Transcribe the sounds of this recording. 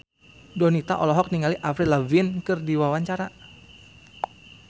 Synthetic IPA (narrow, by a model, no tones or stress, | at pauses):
dɔnit̪a̰ʔɔlɔɦɔk̚niŋaliʔafɾilavnkɨrdiwawaɲt͡ʃaɾa